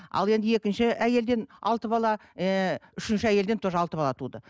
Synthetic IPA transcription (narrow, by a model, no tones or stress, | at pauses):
ɑ̰lˠe̞nd̪ɪe̞kʲɪnʃɪʔæje̞ld̪e̞nɑ̰lˠt̪əbɑlˠɑ | ʏʃɪnʃɪæje̞ld̪ent̪ʰoʒɑlˠt̪əbɑlˠɑt̪ʰud̪ə